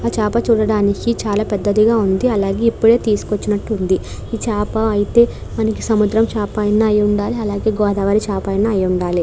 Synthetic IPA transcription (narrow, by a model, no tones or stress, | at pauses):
at͡ʃaːpɐt͡ʃuːɽɐɽaːnikit͡ʃaːlaːpɛd̪ːɐd̪iɡaːund̪iɐlaːɡe̞ːipːuɽe̞ːt̪iːsu̥kot͡ʃːinɐʈːund̪i | iːt͡ʃaːpɐɐjit̪e̞ː | mɐnɐkisɐmud̪ɾɐmt͡ʃaːpajɐnaːjuɳɖaːliɐlaːɡe̞ːɡɔːd̪aʋaːɾit͡ʃaːpaːjɐnaːjuɳɖaːli